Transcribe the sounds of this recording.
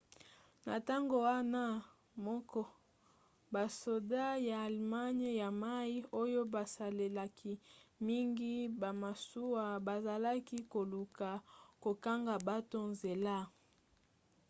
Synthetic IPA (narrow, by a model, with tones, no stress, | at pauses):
na̰˨ta˦ŋɡo˨wa˦na˦ | mɔ˦kɔ˦ | ba˨so˨da˦jaː˨lma˦ɲ˦ja˨ma˦i˦o˦jo˦ba˨sa˨le˨la˨kʰi˦mi˦ŋɡi˦ba˨ma˨su˦wa˦ba˨za˨la˦ki˦ko˨lu˨ka˨ko˨ka˦ŋɡa˨ba˦to˦nze˨la˦